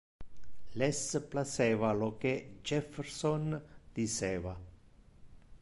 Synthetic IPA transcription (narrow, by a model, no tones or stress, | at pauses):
lesplasevaloked͡ʒefeɾsond̪̥iseva